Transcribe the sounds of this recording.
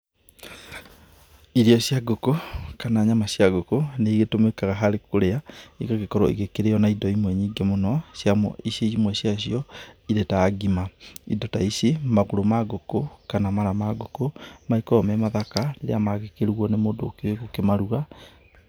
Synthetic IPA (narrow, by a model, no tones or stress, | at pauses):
iɾiɔsjaɡokokanaɲamasjaɣokoneiɣetomekaɣaɦaɾekoɾeaiɣaɣekɔɾɔiɣekeɾeɔnaidɔimwɛɲiːŋɡemonɔsjamɔ̰iseimwɛsjasijɔiɾetaːɡimaidɔtaisemaɣoɾomaɡokokanamaɾamaɡokomaikɔɔmɛmaðakaɾeɾḛamaɣekeɾɔnemoːdoːkeeɣokemaɾuɣa